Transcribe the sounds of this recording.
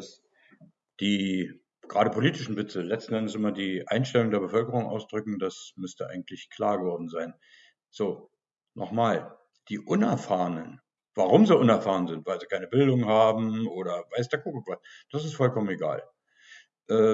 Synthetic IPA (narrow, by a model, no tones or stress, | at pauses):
d̥as | d̥iː | ɡ̥ʁaːɾəpʰoliːtɪʃn̩vɪt͡səlɛt͡stn̩ʔɛndəsʔɪmɐdiːʔa̰ɪnʃtɛlʊŋdeːɐbəfœlkəʁ̞ʊŋʔa̰ʊsd̥ʁʏkŋ̩d̥asmʏstəʔa̰ɪɡŋ̩tlɪçkʰl̥aːɐɡəvɔɐdn̩zaɪn | z̥oː | nʔɔ̰χmaːl | d̥iːʔʊnɛɐfaːʁənən | v̥aʁʊmzoːʔʊnɛɐfaːʁ̞ənzɪntv̥aɪlziːkʰaɪnəbɪldʊŋhaːbm̩ʔoːɾɐvaɪsd̥aːkʰuk̩v̥as | d̥asɪstfɔlkʰɔməneɡa̰ːl | ʔɛː